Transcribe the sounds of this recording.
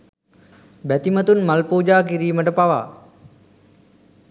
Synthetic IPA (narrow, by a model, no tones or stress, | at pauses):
bæt̪imət̪unmalpuːd͡ʒaːk̬iɾiːməʈəpaʋa̰ː